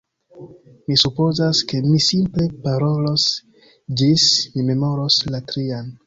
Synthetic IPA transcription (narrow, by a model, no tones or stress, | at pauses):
misupo̞zaske̞misimple̞paɾo̞los | d͡ʒismime̞mo̞ɾoslatɾian